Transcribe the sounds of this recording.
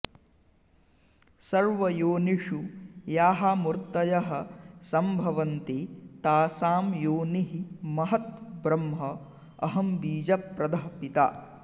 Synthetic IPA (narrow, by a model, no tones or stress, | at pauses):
sɐɾʋɐjoːniʂujaːɦamuɾt̪ɐjɐɦɐ̆sɐmbʱɐʋɐnt̪et̪aːsaːmjoːniɦimɐɦɐt̪̚bɾɐmɦɐ | ɐɦɐmbiːd͡ʒɐpɾɐd̪ɐɦpit̪a̰ː